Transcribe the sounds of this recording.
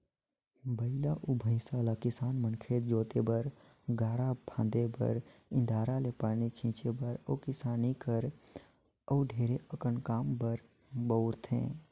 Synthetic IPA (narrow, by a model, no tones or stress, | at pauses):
bəɪlaʔʊbʱə̃ɪ̃saːlakɪsaːnmənkʰeːt̪d͡ʒoːt̪ebəɾ | ɡaːɽabʱʰãːnd̪ebə̰ɾɪ̃nd̪ʱaːɾalepaːnikʰĩːt͡ʃebəɾɔ̰ːkɪsaːnikəɾ | ɔːɖʱeːɾeʔəkəɳkaːmbəɾ | bəʊɾt̪ʰḛ̃ː